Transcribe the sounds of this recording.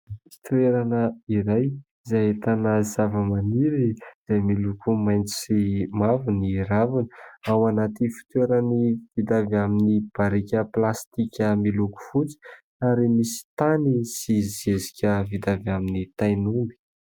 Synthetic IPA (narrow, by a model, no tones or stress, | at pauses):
fi̥t̪ueɾanəiɾaj | izaet̪anəzavəmaniɾiz̥ajmilukumajnt͡si̥simavuniɾavinəawanat̪ifi̥t̪ueɾəniv̥id̪avaminib̥aɾikʲəplast̪ikʲəmiluku̥fut͡si̥ | aɾimisi̥t̪anisizezikʲəvid̪avaminit̪ajnumbi̥